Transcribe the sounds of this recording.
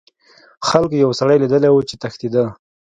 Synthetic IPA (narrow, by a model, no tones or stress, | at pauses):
xalkojawsaɽajlid̪əlawut͡ʃet̪axt̪id̪ə